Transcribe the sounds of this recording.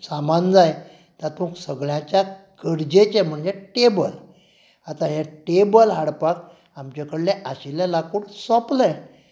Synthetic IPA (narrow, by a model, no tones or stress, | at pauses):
samand͡zaj | t̪at̪ũksəɡɭjãt͡ɕja | kəɽd͡ʑet͡ɕem̤əɳd͡zeʈebəl | at̪aɦeʈebəlɦaɽpak | amt͡ɕekəɽleʔaɕilelakuːɽsɔpləj